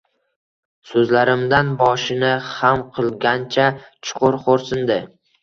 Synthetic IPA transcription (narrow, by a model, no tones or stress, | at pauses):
sɵzlaɾɪmd̪anbɒʃɪnɪhamqʰɨlˠɡʲant͡ʃʰat͡ʃʰʊ̥qʰʊɾqʰoɾsɪnd̪ɪ